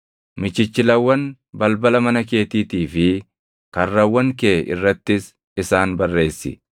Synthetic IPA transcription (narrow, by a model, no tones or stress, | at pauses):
mɪt͡ʃːɪt͡ʃːɪlɐwːɐn | bɐlbɐlɐmɐnɐke̞ːt̪iːt̪iːfɪ | kɐrːɐwːɐŋkeːʔɪ̰rːɐt̪ːɪs | ɪsaːnbɐrːe̞ːsːɪ̰